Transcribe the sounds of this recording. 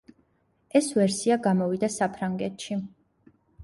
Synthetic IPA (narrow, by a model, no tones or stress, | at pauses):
ɛsvɛɾsiaɡamɔvid̪asapʰɾaŋɡɛt̪ʃi